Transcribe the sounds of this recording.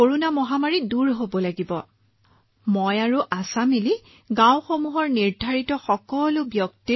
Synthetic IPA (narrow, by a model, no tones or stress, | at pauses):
koɹunamɔɦamaɹiduɹɦobɔlaɡibɔ | mojaɹuʔasamili | ɡãw̃xomuɦɔɹniɹdʱaɹitɔxɔkɔlʊbjɔkti